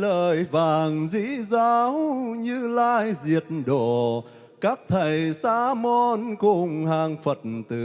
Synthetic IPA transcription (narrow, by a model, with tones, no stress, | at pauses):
ləː˨˩jvaː˨˩ŋzi˧˥zaː˨wɲɨ˧laː˧jzi˨˩ət̚nɗo˧˨ | kaː˦˥k̚t̪ʰə˨˩jsaː˧˦mɔ˧nkʊ˧˩ŋ͡mhaː˧˩ŋfə˨˩t̚nt̪ɨ˨˧˩